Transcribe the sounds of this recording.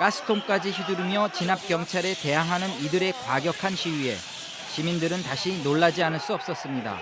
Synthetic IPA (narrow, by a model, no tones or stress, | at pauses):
k͈asʰɯ̥tʰoŋk͈ad͡ʑiçuduɾimjʌt͡ɕinap̚k͈jʌŋt͡ɕʰaɾe̞te̞jaŋɦanɯnidɯɾe̞kwaɡjʌkʰanɕʰiwie̞ | ɕʰimindɯɾɯntaɕʰinoɭːad͡ʑianɯɭs͈uʌp̚s͈ʌs͈ɯmɲida̰